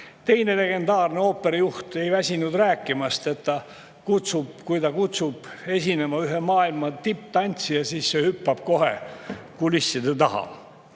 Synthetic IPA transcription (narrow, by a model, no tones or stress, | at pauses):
t̪e̞jne̞le̞ɡ̥e̞nd̪ɑːrneo̞ːpːe̞ɾɑjuht̪e̞jvæsʲinud̪ræːkːˑimɑst̪e̞t̪ːɑ | kut̪sub̥̚kujt̪ɑkut̪sub̥e̞sʲine̞mɑyɦemɑːilmɑt̪ipːt̪ɑnʲt̪sijɑsiːsːehypːɑb̥̚ko̞ɦḛkulisːid̪et̪ɑɦɑ̰